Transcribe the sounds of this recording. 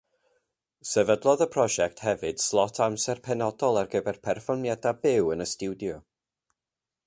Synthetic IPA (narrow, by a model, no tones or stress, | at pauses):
sɛvədlˠɔðəpʰr̥ɔʒɛk̚tʰhɛvɨd̥slˠɔtʰamsɛrpʰɛnɔdɔlˠarɡəbɛrpʰɛrfɔrmjadabɪwənəstuwdjɔ